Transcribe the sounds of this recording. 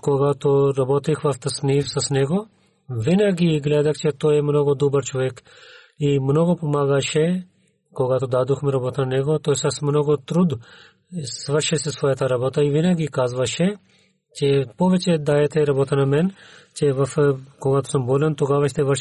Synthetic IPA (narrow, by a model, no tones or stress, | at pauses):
koɡat̪oɾɐbɔt̪ixʋɐft̪ɐsnifsɐsnɛɡo | vinaɡiɡlɛd̪ɐxt͡ʃɛt̪ojɛmnoɡod̪obəɾt͡ʃoʋɛk | imnoɡopomaːɡɐʃe | koɡat̪od̪ad̪uxmɛɾɐbɔt̪anɐnɛɡot̪ojsasmnoɡot̪ɾud̪ | sʋəɾʃɛsesʋɔːjat̪ɐɾabot̪aivinaɡikaːzʋɐʃe | t͡ʃepoʋɛt͡ʃɛd̪ajɛt̪ɛɾɐbɔt̪ɐnɐmɛnt͡ʃɛʋɐfkoɡat̪o̥sɐmbɔlɛnt̪oɡaʋɐʃt̪ɛʋə